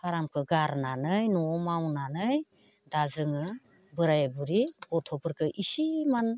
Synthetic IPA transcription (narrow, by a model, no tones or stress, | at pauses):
pʰaɾamkʰɯɡaɾnanɯjnɔmawnanɯj | dazɯŋɯ | bɯɾajbuɾibɔtʰɔpɯɾkʰɯʔisiman